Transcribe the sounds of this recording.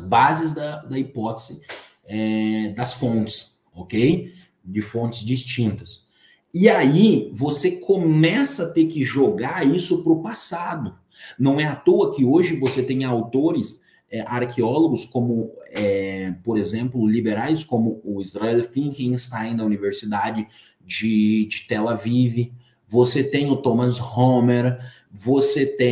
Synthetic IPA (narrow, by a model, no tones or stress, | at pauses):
ɐzbazɪzd̪ɐd̪ɐipɔt̪ez̥ɪ | ɛd̪ɐsfõnt͡ʃɪ̥s | okej | d͡ʒɪfõnt͡ʃɪzd͡ʒist͡ʃĩnt̪ɐs | ɪaivosekʰomɛsɐt̪eɾkɪʒoɡaisʊpɾʊpasad̪ʊ | nɐ̃w̃ɛat̪oɐkɪoʒɪvoset̪ẽj̃awt̪oɾɪs | ɛʔaɾkʰeɔloɡʊskõmʊɛpoɾezẽmplʊlibeɾajskõmʊːizɾaɛlfĩŋkẽj̃ɪst̪aẽd̪ɐuniveɾsid̪ad͡ʒɪ | d͡ʒɪd͡ʒɪt̪ɛlavivɪ | voset̪ẽj̃ʊt̪õmɐshomeɾ | voset̪ẽ